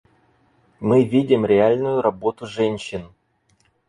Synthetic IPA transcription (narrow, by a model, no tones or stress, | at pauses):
mɨvʲidʲɪmɾʲɪalʲnʊjʊɾɐbo̞t̪ʊʐɛnʲɕːɪn